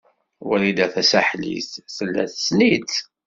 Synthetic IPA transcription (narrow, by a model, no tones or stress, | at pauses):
wælid̪æθæsæħlḭθθəlːæ̰θə̥snit͡s